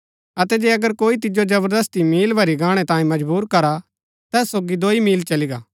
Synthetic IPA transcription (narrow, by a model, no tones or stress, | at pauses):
ɐt̪ɛd͡ʒeːɐɡəɾkoːit̪̬ɪd͡ʒod͡ʒɐbəɾd̪ɐst̪imiːlbʱɐɾiɡãːɽ̃ɛt̪ãːĩmɐd͡ʒbuːɾkɐɾa | t̪ɛːsːoːɡid̪oːimiːlt͡ʃɐliɡaː